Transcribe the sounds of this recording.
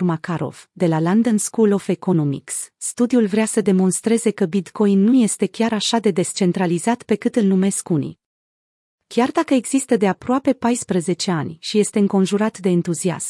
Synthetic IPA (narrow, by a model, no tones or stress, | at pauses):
rmakaɾo̞̰vd̪e̞laland̪ənskulo̞feko̞no̞mḭksːt̪ud̪iulvɾeasəd̪e̞mo̞nst̪ɾe̞ze̞kəbit̪ko̞jnːuje̞st̪e̞kʲaɾaʃad̪e̞d̪e̞st͡ʃe̞nt̪ɾalizat̪pe̞kɨt̪ɨlnume̞skunḭ | kʲard̪akəeɡz̥ist̪əd̪e̞apɾoape̞pajspɾəze̞t͡ʃe̞anʲʃije̞st̪e̞ɨŋko̞nʒuɾat̪d̪e̞ːnt̪uzia̰sm